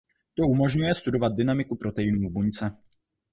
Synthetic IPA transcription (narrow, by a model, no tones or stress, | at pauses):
t̪o̞umo̞ʒɲujɛst̪udo̞vad̪̚dɪnamɪkupɾo̞t̪ɛjɪnuːbuɲt͡sɛ